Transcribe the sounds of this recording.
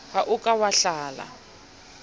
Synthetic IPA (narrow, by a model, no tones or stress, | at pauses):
haʔʊkʼawaɬaːla̰